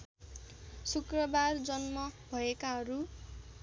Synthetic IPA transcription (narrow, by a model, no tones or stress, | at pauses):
sukrʌbard͡zʌnmʌbʱʌekaɦʌɾu